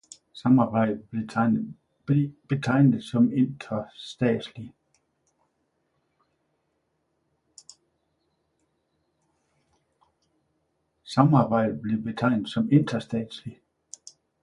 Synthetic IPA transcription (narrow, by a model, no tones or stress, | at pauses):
sɑ̈mɑ̈ːb̥ɑ̈ɪ̰d̥e̥ | b̥e̝t͡sʰɑ̈ɪ̰nð̩ˠsɒ̽me̝nd̥ɐsd̥ɛ̰ːd̥sli | sɑ̈mɑ̈ːb̥ɑ̈ɪ̰d̥b̥le̝b̥e̝t͡sʰɑ̈ɪ̰nð̩ˠsɒ̽me̝n̰d̥ʁɐsd̥ɛ̰ːd̥sli